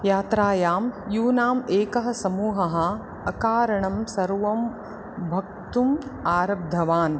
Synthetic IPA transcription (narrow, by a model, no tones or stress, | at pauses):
jaːt̪ɾaːjaːmjuːnaːmeːkɐɦɐ̆sɐmuːɦɐɦɐ̆ | ɐkaːɾɐɳɐmsɐɾʋɐm | bʱɐk̚t̪umaːɾɐb̚d̪ʱɐʋaːn